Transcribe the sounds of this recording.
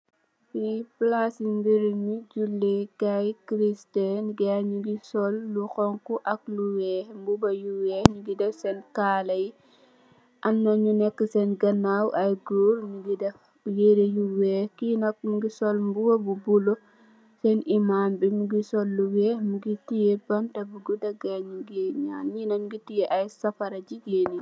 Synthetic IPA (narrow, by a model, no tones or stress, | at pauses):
fiplasimbiɾimid͡ʒulːekajkɾistɛnɡaɲuɡisɔlːuxɔŋkuʔɐk̚luwɛːhmbubɐjuwɛɲuɡidɛfsɛnkaːlɐji | ʔɐnːɐɲunɛkːəsɛnɡɐnawʔɐjɡuːɾɲuɡidɛf | jedejuwɛkinɐk̚muɡisɔlmbuwɐbubulɔ | sɛnimaːmbimuɡisɔlːuwɛːmuɡitijɛbɐntɐbuɡudɐɡaɲuɡeɲa̰ːnɲinɐɲuɡitijɛʔajsɐfɐɾɐd͡ʒiɡeːni